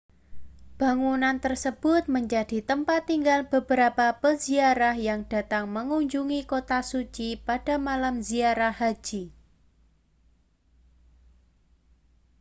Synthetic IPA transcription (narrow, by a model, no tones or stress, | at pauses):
b̥a̤ŋunant̪ərsəb̥ʊt̪̚məɲd͡ʒad̥i̤t̪əmpat̪ːiŋɡalb̥əbəɾapabəziaɾahjaŋd̥a̤t̪aŋməŋuɲd͡ʒuŋikot̪asut͡ʃipad̥a̤malamziaɾahɦḁd͡ʒ̥i